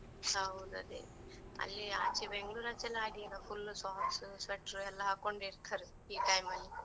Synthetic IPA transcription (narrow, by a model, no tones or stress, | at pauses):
hɐwd̪uɐ̰d̪ḛ | ɐ̰lːiaːt͡ʃibeŋɡɭuːɾat͡ʃːɛlːaːɖiɐlɐpʰulːsaːksusʋɐʈɾuɛlːɐɦaːkoɳɖeiɾt̪ʰːɐɾi | iːʈɐjmɐlːi